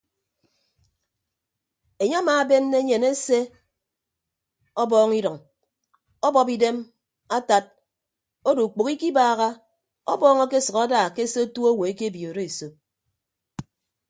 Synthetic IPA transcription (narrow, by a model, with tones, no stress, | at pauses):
e˨ɲe˦maː˨˦be˦nː˦e˦ɲe˨ne˦se˦ | ɔ˦bɔː˦ŋi˦dɔ˨ŋ | ɔ˦bɔ˦pi˦de˦m | a˦ta˦t̚ | o˦du˨k͡po˨ki˦ki˦baː˦˨ɣa˦ | ɔ˦bɔː˦ŋɔ˦ke˦sʌ˨ka˦daː˨ke˦se˦o˦tu˦o˦wo˨e˦ke˦bi˨o˨ɾe˦˨so˦p̚